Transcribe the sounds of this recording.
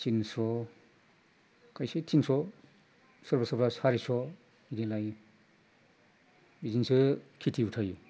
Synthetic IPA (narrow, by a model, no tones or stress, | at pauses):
tinsɔ | kʰajsetʰinsɔ | sɯɾbasɔpʰɾashaɾisɔ | iɾilaj | bizinsɯkʰitʰiutʰaj